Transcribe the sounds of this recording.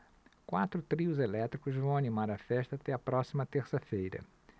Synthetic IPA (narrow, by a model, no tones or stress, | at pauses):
kwat̪ɾʊt̪ɾiʊzelɛt̪ɾikʊzvɐ̃w̃animaɾɐfɛʃt̪ɐaːt̪ɛɐpɾɔsimɐt̪eɾsɐfejɾɐ̰